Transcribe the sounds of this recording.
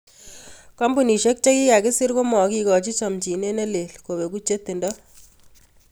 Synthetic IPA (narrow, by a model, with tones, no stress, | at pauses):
kɔ˦mbu˨ni˨ʃe˦k̚t͡ʃe˦ki˦ka˨kɪ˦si˦ɾko˦mɔ˨ki˦kɔ˨t͡ʃi˦sɔ˨mt͡ʃi˨ne˦ne˦le˨lko˨be˨k̬u˦t͡ʃe˦t̪ːi˨ndɔ˦